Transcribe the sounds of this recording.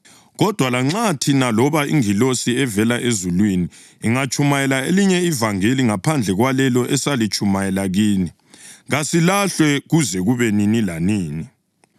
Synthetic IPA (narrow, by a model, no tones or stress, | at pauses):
ɣɔd̥ʱwalaŋ͡ǁatʰinalɔβaḭŋilosiɛvɛlaʔezulwiniː | ŋat͡ʃʼumajɛlaeliɲɛivaŋeliŋapʰand͡ɮʱɛɣwalɛlɔʔɛsalit͡ʃʰʼumajɛlaɣiːni | ɣasilaɬwɛɣuzɛɣuβɛninilaniːni